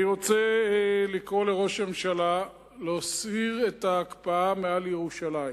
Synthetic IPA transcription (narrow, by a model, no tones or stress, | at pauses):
iʁot͡selikʁole̞ʁo̞ʃmemʃala | leosiʁe̞taːkpaamealjeʁuʃalai